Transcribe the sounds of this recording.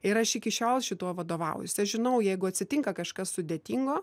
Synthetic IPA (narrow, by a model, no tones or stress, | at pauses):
ɪɾɐʃɪkʲɪʃʲoːlˠʃʲɪt̪uɔʋɐd̪oːʋɐ̰ʊjʊsʲɐʃʒʲɪnɐʊjɛɪɡʊɐt̪ʲsʲɪt̪ʲɪŋkɐkɐʃkɐssʊd̪ʲeɛt̪ʲiŋɡoː